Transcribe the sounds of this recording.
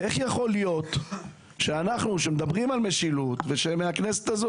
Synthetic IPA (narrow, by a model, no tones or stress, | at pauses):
ʔeχjaχo̞lijo̞t̪ | ʃeanaχnuʃemed̪abʁimalme̞ʃilut̪ve̞ʃemeakne̞set̪azo